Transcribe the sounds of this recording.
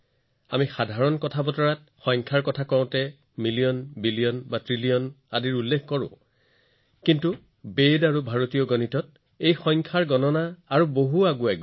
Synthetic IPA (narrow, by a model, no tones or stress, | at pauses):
amixadʱaɹɔnkɔtʰabɔtɔɹat̚ | xɔjŋkʰaɹkɔtʰakɔʊ̃tɛ | milijɔnbiliɔnbatɹilijɔn | adiɹulːekʰkɔɹʊ̰̃ | kintu | bedaɹubʱaɹotijɔɡɔnitɔt̚ | ejxɔjŋkʰaɹɡɔnɔnaːɹuboɦuaɡuɛɡ